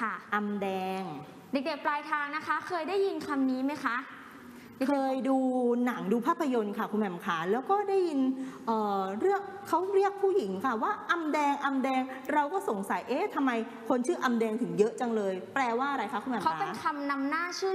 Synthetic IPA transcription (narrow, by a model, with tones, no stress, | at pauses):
kʰa˥˩ʔa˧mdɛː˧ŋ | de˨˩k̚deː˨˩plaː˧jt̪ʰaː˧ŋna˦˥kʰa˦˥kʰɤː˧jdaː˥˩jːi˧nkʰa˧mniː˦˥ma˦˥jkʰa˦˥ʔ | kʰɤː˧jduː˧na˨˩˦ŋduː˧pʰaː˥˩pʰːa˧jo˧nkʰa˥˩kʰu˧mʰɛ˨˩˦mkʰaː˩˦lɛː˦˥wkɔː˥˩daː˥˩jːi˧nʔɤː˨˩ɾɯ˥˩ək̚ʰːa˦˥wɾi˥˩ək̚pʰuː˥˩ji˨˩˦ŋkʰa˥˩waː˥˩ʔa˧mdɛː˧ŋʔa˧mdɛː˧ŋɾa˧wkɔː˥˩so˨˩˦ŋsa˨˩˦jʔeː˦˥t̪ʰa˧mːa˧j | kʰo˧nt͡ɕʰɯː˥˩ʔa˧mdɛː˧ŋt̪ʰɯ˩˦ŋjɤ˦˥ʔt͡ɕa˧ŋlɤː˧jplɛː˧waː˥˩ʔa˧ɾa˧jkʰa˦˥kʰu˧mʰɛ˨˩kʰa˦˥˨aːpe˧˦kʰa˧mna˧mnaː˥˩t͡ɕʰɯː˥˩